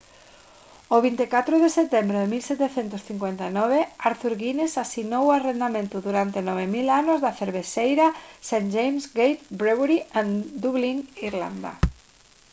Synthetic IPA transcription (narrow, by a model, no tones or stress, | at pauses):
oβint̪ekat̪ɾoðeset̪embɾeðemilsɛt̪eθent̪ʊsθiŋkwent̪ainɔβeaɾθuɾɣinesasinowarend̪amẽnt̪ʊðuɾant̪enɔβ̞emilanʊzðaθeɾβesejɾasand͡ʒejmsɡejt̪bɾeβɾiand̪uβliŋiɾla̰nd̪a̰